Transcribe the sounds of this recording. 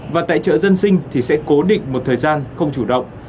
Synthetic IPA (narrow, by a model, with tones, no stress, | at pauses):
vaː˨˩t̪a̰ː˧˨jt͡ɕə̰ː˧˨zə˧nsï˧ŋ̟t̪ʰi˨˩sɛ̰˧˥ko˨˦ɗï˧˨ŋ̟mo˨˩t̚t̪ʰəː˨˩jzaː˧nxə˧wŋ͡mt͡ɕu˧˩ɗə̰˧˨wŋ͡m